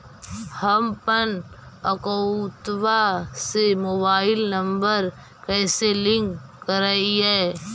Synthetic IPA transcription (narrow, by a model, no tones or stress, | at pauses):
həmpənəkot̪ʋasemoːbaːɪlnə̃mbəɾ | kɛːselɪ̃ŋkːəɾaːiɦɛː